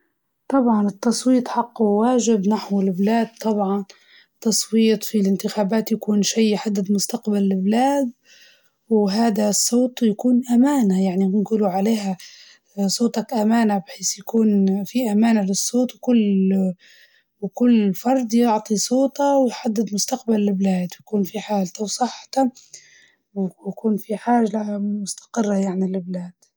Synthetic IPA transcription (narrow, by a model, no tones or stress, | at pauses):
t̪ˤɑbʕɑnɪt̪ːɑsˤwiːt̪ˤħɑqːuwaːʒɪbnaħwɪlblaːd̪̚t̪ˤɑbʕɑn | t̪ːɑsˤwiːt̪ˤfilɪnt̪ɪxaːbaːt̪jakuːnʃijːħad̪ːɪd̪mʊst̪aqbalːɪblaːd̪̚ | wɦaːd̪asˤːoːt̪ˤjakuːnʔamaːnajaʕninɡʊluʕaleːha | sˤoːt̪ˤɑkʔamaːnabħiːsjakuːnfiʔamaːnalɨsˤːoːt̪wkʊlː | wkʊlːfɑɾˤd̪ˤjʊʕt̪ˤisˤoːt̪ɑwjħad̪ːɪd̪mʊst̪aqbalːɪblaːd̪wjkuːnfiħaːlt̪awsˤɑħːt̪a | wjakuːnfiħaːʒalaamʊst̪ḁqɪrːajaʕnilɪblaːd̪̥